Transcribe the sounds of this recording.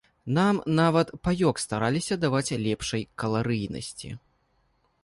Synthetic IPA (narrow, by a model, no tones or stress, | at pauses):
namnavɐt̪pajɔkst̪aɾalʲisʲɐd̪avat͡sʲlʲɛpʂɐjkɐlˠaɾɨjnɐ̰sʲt͡sʲḭ